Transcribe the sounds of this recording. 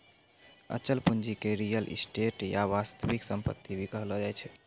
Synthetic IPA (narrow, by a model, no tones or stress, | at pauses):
ə̰t͡ʃəlpund͡ʒikeɾijəlʔḭsʈeʈjaʋast̪əʋiksəmpət̪ːibʱikəɦlɔd͡ʒajt͡ʃʰ